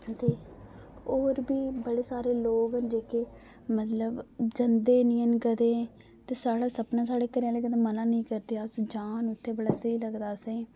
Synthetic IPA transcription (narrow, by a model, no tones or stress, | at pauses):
t̪eː | oːɾbiːbəɽeːsaːɾeːloːɡɦənd͡ʒeːkeː | mət̪ləbd͡ʒənd̪eːnĩːənkəd̪ẽː | t̪eːsaːɽaːsəpnãːs̬aːɽeːkəɾaːleːkəd̪eːmənãːnəĩːkəɾd̪eːasd͡ʒaːnʊt̪ʰːeːbəɽaːsəiːləɡd̪aːsẽː